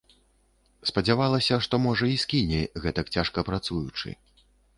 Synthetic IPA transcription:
spɐd͡zʲavalˠɐsʲɐʂt̪ɔmɔʐɐiskʲinʲɛɣɛt̪ɐkt͡sʲaʂkɐpɾat̪sujut͡ʂɨ̰

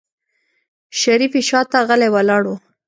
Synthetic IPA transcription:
ʃaɾifiʃɑt̪aɣalewalɑɽwu

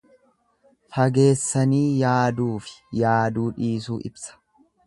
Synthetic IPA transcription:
fɐɡe̞ːsːɐniːjaːd̪uːfɪ̥jaːd̪uːᶑiːs̬uːʔɪ̰bsɐ̥

